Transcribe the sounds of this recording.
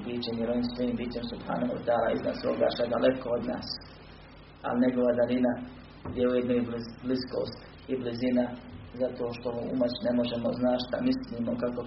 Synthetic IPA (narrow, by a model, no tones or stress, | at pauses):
biːt͡ʃemjeɾo̞ʋiːmsʋojiːmbiːt͡ʃe̞msupɾa̰ːnoo̰t̪aːɾaːizna̰ːso̰ːɡa̰ːʃad̪alekood̪na̰ːs | a̰lɲeɡo̞ʋad̪alina | d̪jeujed̪noiblibliskoːst̪ | iblizinazat̪oːʃt̪omuṵmat͡ɕnemo̞ʒemoznaːʃt̪amisliːmokako